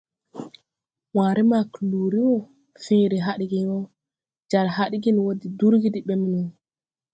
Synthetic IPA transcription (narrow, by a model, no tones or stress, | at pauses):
waːɾimakluɾiwɔ | feɾiɦaɗiɡinɔ | d͡ʒaɾhaɗiɡinwodiduɾɡidiɓɛminun